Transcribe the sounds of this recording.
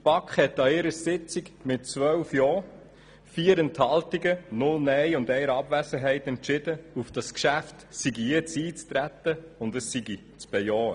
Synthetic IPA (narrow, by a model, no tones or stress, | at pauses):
əpɑkχhɛt̪ɑɪɾəsɪt͡siɡmɪt̚t͡sʋœwfjɔː | fiːəɾɛnthɑltiɡənʊlnɛjʊndɛɪəɾɑbvæsəɦɛɪt̪ɛnt͡ʃɪd̥əufd̥ɑskʃæftsiɡiɛt͡siːt͡stɾæt̪ːəʊndəsːiɡi | t͡sb̥ɛjɔːə